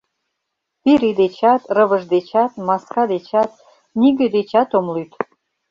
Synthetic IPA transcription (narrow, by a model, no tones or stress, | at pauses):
piɾed̪et͡ɕɑt̪rəβə̆ʒd̪et͡ɕɑt̪mɑskɑd̪et͡ɕɑt̪ | niɡĕd̪et͡ɕɑt̪omlyt̪